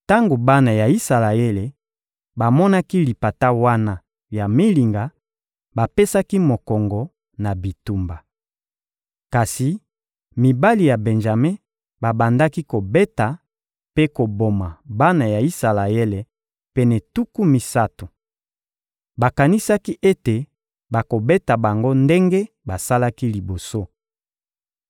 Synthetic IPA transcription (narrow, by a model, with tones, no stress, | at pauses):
ta˦ŋɡo˨ba˦na˨ja˨i˦sa˨la˨e˦le˨ | ba˨mɔ˦na˦ki˦li˨pa˨ta˦wa˦na˦ | ja˨mi˦li˨ŋɡa˨ | ba˨pe˦sa˦ki˦mo˨kɔ˨ŋɡɔ˨ | na˨bi˨tu˨mba˨ | ka˨si˨ | mi˨ba˦li˨ja˨bɛ˨nʒa˨me˦ | ba˨ba˨nda˦ki˦ko˨be˦ta˨ | pe˦ko˨bo˨ma˨ba˦na˨ja˨i˦sa˨la˨e˦lɛ˨ | pɛ˨nɛ˨tu˦ku˦mi˨sa˦tu˨ | ba˨ka˨ni˦sa˦ki˦ʔe˦te˨ | ba˨ko˨be˦ta˨ba˨ŋɡo˦nde˦ŋɡe˦ | ba˨sa˦la˦ki˦li˨bo˨so˦